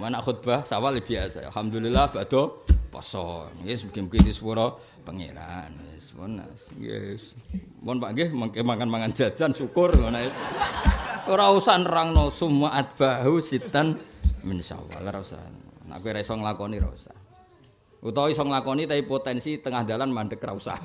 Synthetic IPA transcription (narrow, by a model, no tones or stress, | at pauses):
manaʔxut̪̚b̥ahsawalib̥iasa̰a̰lhamd̪ulilahb̥ad̪̥ɔpɔ̰sɔnŋɡeskemukint̪isu̥puɾɔ | pəŋḛɾa̰nespɔ̰nːa̰sɡḛs | pɔnpaʔŋɡehməŋkemaŋanmaŋan̥d͡ʒ̥ḁd͡ʒansukʊrŋɔnaes | ɾausanraŋnɔsumaʔat̪̚b̥aɦusit̪anmənsa̰wa̰lɾausa̰nna̰kuiɾaisɔŋlakɔniɾa̰ṵsa̰ | ut̪ɔisɔŋlakɔnit̪aipot̪ɛnsit̪əŋahd̪alanmanɖəkrausa̰